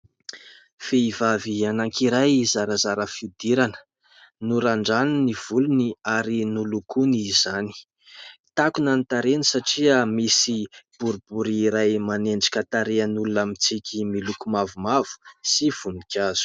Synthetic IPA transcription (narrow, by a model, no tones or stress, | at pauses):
feivavianaŋkiɾajzaɾazaɾəfiud̪iɾanə̥ | nuɾaɳɖ͡ʐaniniv̥uluniaɾinulukunizani̥ | t̪akunanit̪aɾenisaʈ͡ʂiəmisib̥uɾubuɾiɾajmaneɳɖ͡ʐḁkʲət̪aɾeənulunamit͡sikʲʰimilukumavumav̥u̥siv̥unikʰʲaz̥u̥